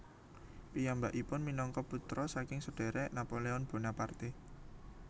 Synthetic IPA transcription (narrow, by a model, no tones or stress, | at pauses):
pijambaʔipʊnminɔŋkɔput̪ɾɔsakɪŋsəɖ̥e̤ɾɛnapoleɔnb̥o̤napart̪i